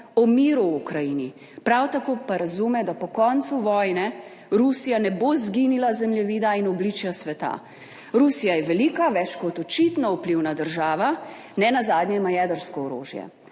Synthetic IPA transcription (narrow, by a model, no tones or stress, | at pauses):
ɔmiːɾuukɾajini | pɾawt̪akoːpaɾazumɛd̪apɔkɔnt̪suʋɔjnɛ | ɾusijanɛbozɡinilazɛmljɛʋiːd̪ainɔblit͡ʃjasʋɛt̪a̰ | ɾusijajɛʋɛlikaʋɛt͡ʃkɔt̪ɔt͡ʃit̪nɔupliwnad̪əɾʒaːʋa | nɛnazaːd̪ɲjɛimajɛd̪əɾskɔɔɾo̰ːʒjɛ̰